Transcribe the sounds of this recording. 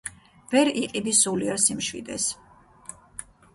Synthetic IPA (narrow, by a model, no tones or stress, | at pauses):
vɛɾiqʼibisuliaɾsimʃwḭd̪ɛ̰s